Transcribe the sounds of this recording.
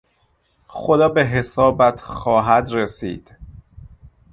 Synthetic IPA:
xo̞d̪ɒːbe̞ɦe̞sɒːbæt̪ʰxɒːɦæd̪ɾesḭːd̪̥

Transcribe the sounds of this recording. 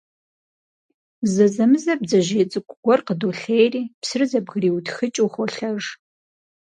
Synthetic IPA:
zɐzɐmɨzɐb̚zɐʒeːt͡sʼɨkʷʼʊɡʷɔrqədoːɬeːjriːpsɨrɨzɐbɣriːwtxɨt͡ʃʼuːχʷɔɬɐʐ

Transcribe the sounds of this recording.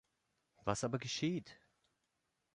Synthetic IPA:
vasʔaːbɐɡəʃiːt

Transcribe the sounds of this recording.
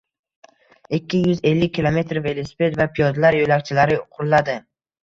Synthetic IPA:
ɪkʲːɪjʊze̞lːɪkʲʰːilˠome̞t̪ɾve̞lisi̥pe̞t̪vapʰijɒd̪laɾjolakʲt͡ʃʰɪlaɾɪʊqʰʊɾlad̪ɪ

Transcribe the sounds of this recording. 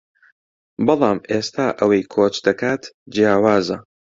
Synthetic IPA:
bɑlˠɑːmʔeːst̪ʰaːʔɐwɐjkʰoːt͡ʃd̪ɐkʰaːt̪d͡ʒijaːwaːzɐ

